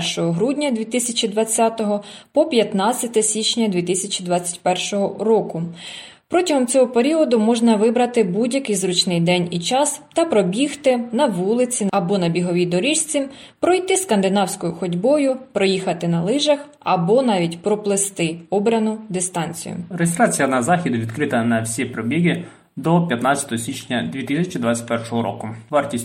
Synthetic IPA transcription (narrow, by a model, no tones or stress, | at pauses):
rʃɔɦɔɦɾudʲnʲɐd̪ʲʋʲit̪ɪsʲɐt͡ʃid̪ʋɐt͡sʲːɑt̪ɔɦɔpɔpʲjɐt̪nɑt͡sʲːɐt̪ɛsʲit͡ʃʲnʲɐd̪ʲʋʲit̪ɪsʲɐt͡ʃʲid̪ʋɑt͡sʲːɐ̥tʲpɛrʃɔɦɔɾɔkʊ | pɾɔtʲɐɦɔmt͡sʲɔɦɔpeɾʲiɔd̪ʊmɔʒnɐʋɪbɾɐt̪ɪbudʲjɐkɪjzɾut͡ʃnɪjd̪ɛnʲit͡ʃɑst̪ɐpɾɔbʲixt̪ɪnɐʋulˠɪt͡sʲiɐbɔnɐbʲiɦɔʋʲid̪ɔɾʲiʃt͡sʲipɾɔjt̪ɪskɐnd̪ɪnɑwsʲkɔjʊxɔdʲbɔjʊpɾɔjixɐt̪ɪnɐlˠɪʒɐx | ɐbɔnɑʋʲitʲpɾɔplˠɪst̪ɪɔbɾʲɐnʊd̪ɪst̪ɑnʲt͡sʲḭjʊ̰rejʲɪst̪ɾɑt͡sʲijɐnɐzɑxʲid̪ʊʋʲid̪kɾɪt̪ɐnɐwsʲipɾɔbʲiɦʲi | d̪ɔpʲjɐt̪nɑt͡sʲɐ̥t̪ɔɦɔsʲit͡ʃnʲɐd̪ʲʋʲit̪ɪsʲɐt͡ʃid̪ʋɑt͡sʲːɐ̥tʲpɛrʃɔɦɔɾɔ̰kʊʋɑrtʲisʲ